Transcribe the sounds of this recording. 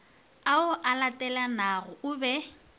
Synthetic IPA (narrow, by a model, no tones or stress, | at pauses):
aʊʔalatʼɛlanaɣʊʊbɛ